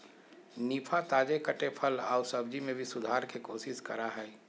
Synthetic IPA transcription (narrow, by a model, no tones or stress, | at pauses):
niːpʰat̪aːd͡ʒekəʈepʰəlaːʊsəb̚d͡ʒimẽbʱisʊd̪ʱaːɾkekoːsɪskɐɾaɦɛː